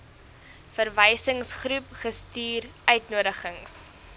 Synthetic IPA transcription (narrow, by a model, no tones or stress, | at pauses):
fərvəjsəŋsχrɾupχəstyːrʔœɥtnuədəχəŋs